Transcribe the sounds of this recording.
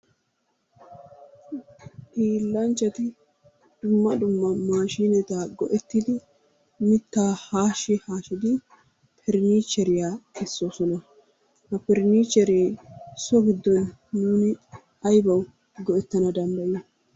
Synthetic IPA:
ʔiːlːɐnt͡ʃːɐt̪ɪ | d̪̥ʊmːɐd̪ʊmːɐmaːʃiːnɛt̪aːɡɔʔɛt̪ːid̪ɪ | mɪt̪ːaːhaːʃɪhaːʃɪd̪ɪ | pʰɛɾniːt͡ʃːɛɾɪjaːkɛsːo̞ːsɔnɐ | hɐpɛɾniːt͡ʃːɛɾeːsɔɡɪd̪ːɔnːuːnɪ | ɐjbɐw | ɡɔʔɛt̪ːɐnɐd̪ɐmbɐjɪ

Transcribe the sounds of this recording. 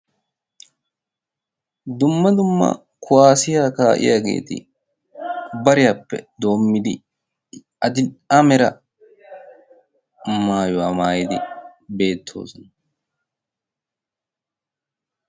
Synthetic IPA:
d̪ʊmːɐd̪ʊmːɐ̰ | kʰʊwaːsɪjaːkaːʔɪ̰jaːɡe̞̰ːt̪ɪ̰ | bɐɾɪjaːpːɛ̰d̪o̞ːmːɪd̪ɪ | ɐd̪ɪnamɛɾɐ | maːjʊwaːmaːjɪd̪ɪbe̞ːt̪ʰːo̞̰ːsɔnɐ

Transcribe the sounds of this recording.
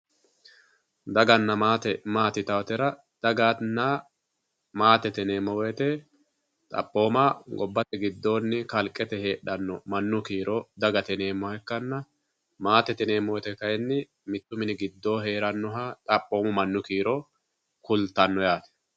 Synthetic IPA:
d̪ɐɡɐnːɐmaːt̪ɛmaːt̪ɪt̪ɐwɐt̪ɛɾɐ | d̪̥ɐɡaːnːa | maːt̪ɛt̪ɛne̞ːmːɔwɛt̪ɛ | t̪ʼɐ̰pʼːo̞ːmaɡɔbːɐt̪ɛɡɪd̪ːo̞ːnːɪkɐlkʼɛt̪ɛhe̞ːɗɐnːɔmɐnːʊkiːɾʔɔd̪ɐɡɐt̪ɛne̞ːmːɔhɛkːɐnːɐ | maːt̪ɛt̪ɛne̞ːmːɔwɛt̪ɛkɐjɛnːɪ | mɪt̪ːʊmɪnɪɡɪd̪ːo̞ːɦe̞ːɾɐnːɔɦat̪ʼɐpʼːo̞ːmʊmɐnːʊkiːɾɔ | kʊlt̪ːɐnːɔjaːt̪ɛ̥

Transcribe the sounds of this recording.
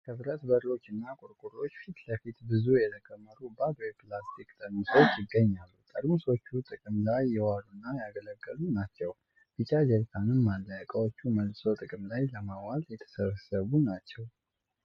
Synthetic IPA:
kʰəbɾət̪bəɾlo̞t͡ʃːɨnːakʼʊɾkʼuɾo̞t͡ʃːfit̪ləfit̪bɨzujɛt̪ʰəkʼəmːəɾubabɾplast̪ʰikt̪ʼəɾmɨso̞t͡ʃːjɪɡːəɲːalːut̪ʼəɾmɨso̞t͡ʃːut̪ʼɨkʼɨmlajːɛwaɾunːajaɡələɡːəlunat͡ʃːɛw | b̥ɨt͡ʃʼad͡ʒɛɾt̪ʰanɨmːalːəkʼəwo̞t͡ʃːuməlso̞t̪ʼɨkʼɨmlajləmawaljɛt̪ʰə̥səβsəβunat͡ʃːɛw

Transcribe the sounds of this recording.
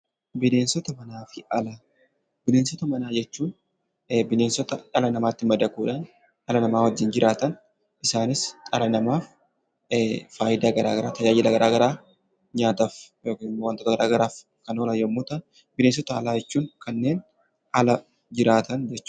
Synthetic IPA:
bɪle̞ːnsɔt̪ɐmɐnaːfɪʔɐlaː | b̥ɪleːnsɔt̪ɐmɐnaːd͡ʒɛt͡ʃːuːn | bɪleːnsɔt̪ɐᶑɐlɐnɐmaːt̪ːɪmɐd̪ɐkuːᶑaːn | ɐlɐnɐmaːwɐd͡ʒːɪnd͡ʒɪɾʔaːt̪ɐn | ʔɪsaːnɪsᶑɐlɐnɐmaːf | faːjɪd̪aːɡɐɾaːɡɐɾaːt̪ɐd͡ʒaːd͡ʒɪlɐɡɐɾʔaːɡɐɾaː | ɲaːt̪af | joːkːɪmmowɐnt̪ot̪ɐɡɐɾʔaːɡɐɾaːf | kɐnoːlɐjomːuːt̪ɐn | bɪleːnsɔt̪ɐɐlaːd͡ʒɛt͡ʃːuːŋkɐnːe̞ːn | ʔɐlɐ | d͡ʒɪɾaːt̪ɐnd͡ʒɛt͡ʃː

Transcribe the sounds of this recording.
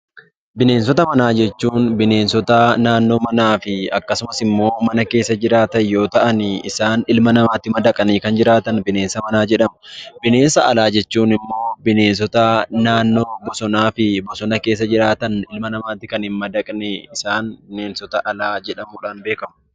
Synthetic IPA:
bɪne̞ːns̬ɔt̪ɐmɐnaːd͡ʒɛt͡ʃːuːnbɪne̞ːnsɔt̪ɐnaːnːo̞ːmɐnaːfɪɐkːɐsʊmɐsɪmːo̞ːmɐnɐke̞ːsːɐd͡ʒɪɾaːt̪ɐjo̞ːt̪ɐʔɐnɪːsaːnɪlmɐnɐmaːt̪ːɪmɐd̪ɐkʼɐniːkɐnd͡ʒɪɾaːt̪ɐnbɪne̞ːnsɐmɐnaːd͡ʒɛᶑɐmʊ̥b̥ɪne̞ːnsɐʔɐ̰laːd͡ʒɛt͡ʃːuːnɪmːo̞ːbɪne̞ːns̬ɔt̪ɐnaːnːo̞ːbɔsɔnaːfɪbɔsɔnɐke̞ːs̬ːɐd͡ʒɪɾaːt̪ɐnɪlmɐnɐmaːt̪ːɪkɐnhɪmmɐd̪ɐkʼnɛɪsaːnbɪneːnsɔt̪ɐʔɐlaːd͡ʒɛᶑɐmuːᶑaːnbe̞ːkɐmʊ

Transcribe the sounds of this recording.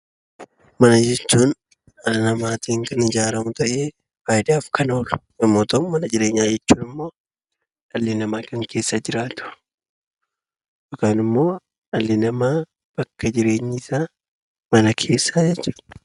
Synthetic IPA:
mɐnɐd͡ʒɛt͡ʃːuːn | ɐnɐmaːt̪iːŋkɐnɪd͡ʒaːɾɐmʊt̪ɐʔeː | faːjd̪aːfkɐno̞ːlʊ̥nɐmːoːt̪ɐmmɐnɐd͡ʒɪɾeːɲːaːd͡ʒɛt͡ʃːuːnɪmːo̞ː | ɐlːɪnɐmaːkɐŋke̞ːsːad͡ʒɪɾaːt̪ʊ̥ | ʔɔkaːnɪmːo̞ː | ɐlːɪnɐmaː | b̥ɐkːɐd͡ʒɪɾe̞ːɲːɪsaː | mɐnɐkʰe̞ːsːaːd͡ʒɛt͡ʃːuːd̥

